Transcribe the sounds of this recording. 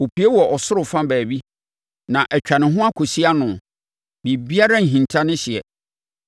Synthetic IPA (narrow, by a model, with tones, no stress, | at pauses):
o˨pʰi˨˦e˦wɔ˨ʔɔ˨sʊ˦ɾʊ˨fã˦bæː˨bi˦ | nã˨ʔæ˨t͡ɕᶣa˨nɪ̃˨ɦʊ̃˦a˦kʰo˨si˦a˦nʊ̃˨ | bĩ˨bi˦a˦ɾã˦ŋ̩˨ɦĩ˨ntʰa˦nɪ̃˦ɕɪ˨ɛ̰˨